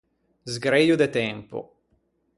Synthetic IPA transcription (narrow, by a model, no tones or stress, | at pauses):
zɡɾeːjod̪et̪ɛmpo̰